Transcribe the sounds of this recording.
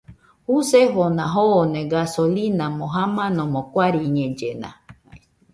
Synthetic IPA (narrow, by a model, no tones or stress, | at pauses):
huseɦonãɦonẽɡasolinãmõɦamãnõmõkʷaɾiɲẽd͡ʒenã̰